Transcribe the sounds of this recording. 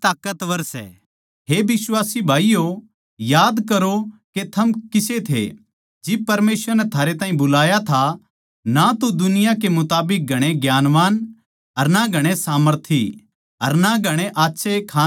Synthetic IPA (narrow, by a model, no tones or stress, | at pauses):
t̪aːkət̪ʋɐɾsɛ̰ | ɦeːbɪswaːsibʱaːijo | jaːd̪kɐɾoket̪ʰɐmkɪset̪ʰḛ | d͡ʒɪb̚pɐɾmeːsʋəɾnɛt̪ʰaːɾet̪ãːɦĩbʊlaːjat̪ʰa | nat̪od̪ʊnɪjãk̬emʊt̪aːbɪk̚ɡʱɐɽ̃eɡjaːnʋaːn | ɐɾnaɡʱɐɽ̃esaːməɾt̪ʰi | ɐɾnaɡʱɐɽ̃eʔaːtːʃʰekʰaː